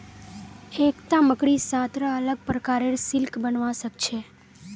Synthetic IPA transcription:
ekt̪ãməkɽisat̪ɾəələɡ̚pɾəkaɾeɾsɪlkbənʋãsəkt͡ʃʰe

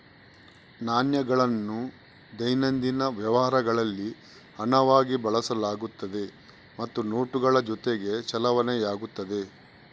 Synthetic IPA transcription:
naːnjɐɡɐɭɐnːu | d̪ɐjnɐnd̪inɐʋjɐʋɐɦɐɾɐɡɐɭɐlːi | ɐnɐʋaːɡibɐɭɐsɐlaːɡut̪ːɐd̪e̞ | mɐt̪ːuno̞ːʈuɡɐɭɐd͡ʒɔt̪eɡe̞t͡ʃɐlɐʋɐnejaːɡut̪ːɐd̪e̞

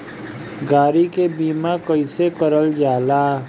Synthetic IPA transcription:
ɡaːɾikebiːmakəɪsekəɾəld͡ʒaːlaː

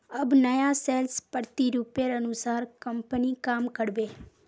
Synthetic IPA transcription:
əbnəjaseːlspəɾt̪iɾuːpjeɾənusaːɾkəmpənikaːmkəɽbeː

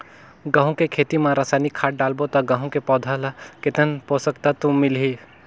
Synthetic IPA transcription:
ɡə̃ɦũkekʰeːt̪imãɾasaːnikʰaːʈ̚ɖaːlbot̪ɐɡə̃ɦũkepɔːd̪ʱalaket̪ənposəkt̪at̪ũmɪlɦi

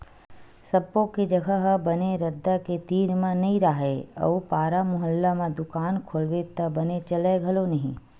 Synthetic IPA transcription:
sɐbːõked͡ʒɐɡʱəɦəbɐneɾɐd̪ːaket̪iːɾmãnɐĩɾaɦeɐ̰ʋpaːɾamʊɦəlːamãd̪ʊkaːnkʰolwet̪ɐbɐnet͡ʃɐleɡʱɐlonɐɦĩ

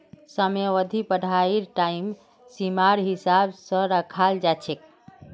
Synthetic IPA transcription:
səmjeʋəd̪ʱipəɽ̤ʱaiɾʈaim | simaɾɦisabsə̃ɾəkʰald͡ʒat͡ʃʰek̚

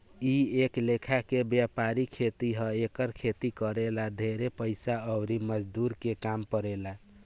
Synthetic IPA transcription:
ieklekʰakebjapaɾikʰet̪iɦəekəɾkʰet̪ikəɾelad̪ʱeɾepəɪsaəbɾiməd͡ʒd̪uɾkekampəɾela

